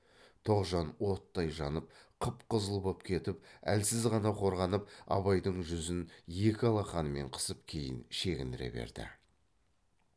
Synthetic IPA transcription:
t̪ʰoʁʒɑnwo̞t̪ːɑjʒɑnəp̚qʰəpqəzəlˠbopkʲʰe̞t̪ɪpæ̰lsɪzʁɑnɑqʰo̞ɾʁɑnəp̚ɑ̰βɑjd̪əɴʒʏzɪnje̞kʲɪɑlˠɑχɑnəme̞̰ɴqʰə̥səp̚kʲʰe̞jɪ̰nʃe̞kʲɪnd̪ɪɾe̞̰be̞̰ɾd̪ɪ̰

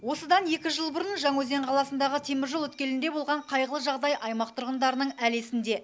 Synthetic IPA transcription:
wo̞səd̪ɑnje̞kʲɪʒəlˠbʊɾənʒɑŋwɵze̞ɴqʰɑlˠɑsənd̪ɑʁət̪ʰe̞mɪɾʒolˠwɵt̪kʲe̞lɪnd̪e̞bo̞lˠʁɑɴqʰɑjʁəlˠəʒɑʁd̪ɑjʔɑjmɑq̚t̪ʰʊɾʁənd̪ɑɾənəɴæle̞sɪnd̪e̞

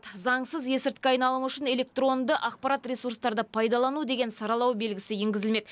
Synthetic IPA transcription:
t̪zɑɴsəzje̞sɪɾt̪̚kʲeɑjnɑlˠəmʏʃɪne̞lʲe̞k̚t̪ro̞nd̪əʔɑq̚pɑɾɑt̪rʲesuɾst̪ɑɾd̪əpʰɑjd̪ɑlˠɑnud̪e̞ɡʲe̞nsɑɾɑlˠɑwbe̞lɡʲɪsɪje̞ŋɡʲɪzɪlme̞k̪

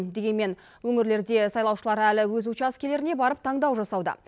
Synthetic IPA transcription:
d̪e̞ɡʲe̞nme̞n | wɵŋɪɾle̞ɾd̪e̞sɑjlˠɑwʃəlˠɑɾælɪwɵzut͡ʃɑskʲʰele̞ɾɪne̞bɑɾəp̚t̪ʰɑɴd̪ɑwʒɑsɑwd̪ə̰

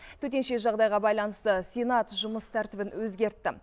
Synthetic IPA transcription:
t̪ʰɵt̪e̞nʃe̞ʒɑʁd̪ɑjʁɑbɑjlˠɑnəst̪əsʲenɑt̪ʒʊməst̪ʰæɾt̪ɪbɪnwɵzɡʲe̞ɾt̪ːɪ̰

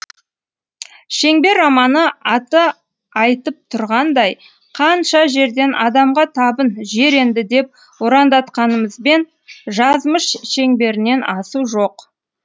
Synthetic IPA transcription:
ʃe̞ŋbe̞ɾɑmɑnəɑt̪ə | ɑjt̪əp̚t̪ʰʊɾʁɑnd̪ɑj | qʰɑnʃɑʒe̞ɾd̪e̞nʔɑd̪ɑmʁɑt̪ʰɑbənʒe̞ɾe̞nd̪ɪd̪e̞p̚ | woɾɑnd̪ɑt̪qɑnəməzbe̞n | ʒɑzməʃʃe̞ŋbe̞ɾɪne̞nʔɑsuʒo̞q

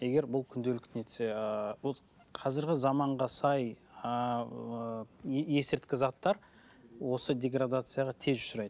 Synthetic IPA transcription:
je̞ɡʲe̞ɾbʊlˠkʲʰʏnd̪e̞lɪkt̪net̪ʰɪ̥sebolˠ | qʰɑzɪɾɡʲɪzɑmɑɴʁɑsɑj | je̞sɪɾt̪kʲɪzɑt̪ːɑɾ | wo̞səd̪ʲe̞ɡrad̪at̪sɨjaʁɑt̪ʰe̞zʒʊ̥ʃʊɾɑjd̪ə

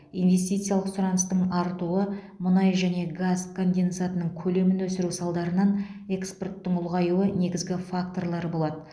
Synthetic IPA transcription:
ijnve̞st̪ijt̪sɨjalˠəqsʊɾɑnəst̪əɴɑɾt̪uə | mʊnɑjʒæne̞ɡazkʰo̞nd̪e̞nt̪sat̪ənəɴkʲʰɵle̞mɪnwɵsɪɾusɑlˠd̪ɑɾənɑne̞kspo̞rt̪ːəɴʊlˠʁɑjuəne̞ɡʲɪzɡʲɪfak̚t̪o̞rlˠɑɾəbo̞lˠɑd̪ə

